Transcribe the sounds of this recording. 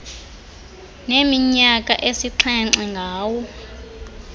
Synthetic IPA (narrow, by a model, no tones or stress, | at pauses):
nemiɲakʼaʔesiǀʰɛŋ͡ǀɛŋɡʱaːwɔ